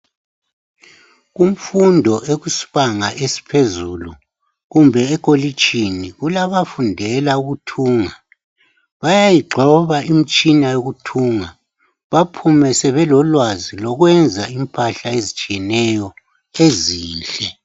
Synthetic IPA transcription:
ɣum̩fundʱɔʔeɣusi̥βaŋaʔesi̥pʰezulu | ɣumbʱɛːkʼoli̥t͡ʃiniɣulaβafundʱɛlauɣutʰuːŋa | βajajiɡ͡ǃʱɔβaim̩t͡ʃʼinajoɣutʰuːŋa | βapʰumɛsɛβɛlɔlwazilɔɣwɛnd͡zʱaimpʰʼaɬaezit͡ʃʼiɛnɛjɔ | eziːnɬɛ

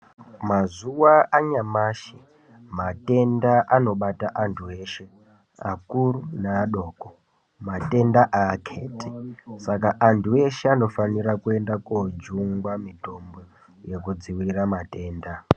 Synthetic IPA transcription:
mazuwaaɲamaʃi | mate̞ndaʔano̞ɓataʔantʰue̞ːʃe̞ | a̰kurunaːɗo̞ːko | mate̞ndaʔaːkʰetisakaʔantʰue̞ʃe̞ano̞fanirakue̞ndakod͡ʒuŋɡwamito̞mbo̞ | je̞kud͡ziwiriramate̞ːnda

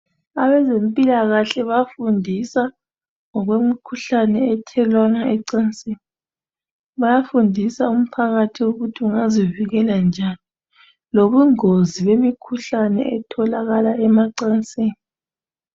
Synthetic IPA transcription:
aβɛzempʼilaɣaɬɛβafundʱisa | ŋɔɣwemikʰuɬanɛɛtʰɛlwanaɛǀant͡sʼeːni | βajafundʱisaum̩pʰaɣatʰiwoɣutʰiuŋaziviɣɛland͡ʒʱani | loβuŋoziβemikʰuɬanɛ̰ʔɛtʰɔlaɣalaʔɛmaǀant͡sʼeːni

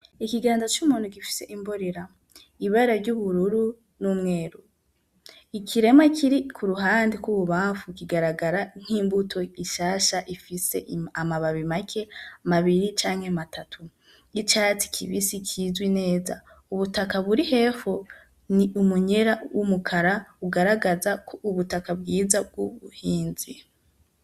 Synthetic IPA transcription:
ikiɡaːndat͡ʃumuːnuɡifi̥se̞ʔimbo̞ɾe̞ɾa | iβaɾaɾɟuβuɾuɾu | numŋe̞ːɾu | ikʰiɾe̞makʰiɾikʰuɾuɦaːndikwuβuβaːɱfukiɡaɾaɡaɾan̥hiːmbutʰo̞iʃaːʃaʔifise̞amaβaβimakʰe̞maβiɾit͡ʃaːŋhematʰatʰu | it͡ʃat͡si̥kʰḭβisikʰizwine̞ːza̰ | uβutakaβuɾihe̞fo | niʔumuɲeɾawʔumukʰaɾauɡaɾaɡazakʰouβutakabɡiːzab̚ɡuβuhiːnzi

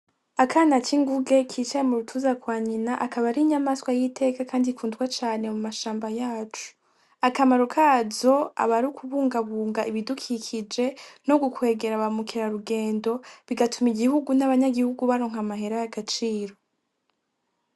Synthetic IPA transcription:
akʰaːnat͡ʃiŋɡuɡe̞kʰiːt͡ʃajemuɾutʰuːzakwaːɲinaʔakaβaɾiɲamaskwajitʰe̞ːkakʰaːndikʰuːndɡwat͡ʃaːne̞mumaʃaːmbajaːt͡ʃu̥ | akamaɾukʰazo̞a̰βaɾukʰuβuːŋɡaβuːŋɡaʔiβidukʰikʰid͡ʒe̞no̞ɡukwe̞ːɡe̞ɾaβamukʰiɾaɾuɡe̞ːndo̞βiɡatʰumiɡihuɡunaβaɲaɡihuɡuβaɾoːŋ̥hamaɦe̞ɾajaɡat͡ʃiːɾo̞

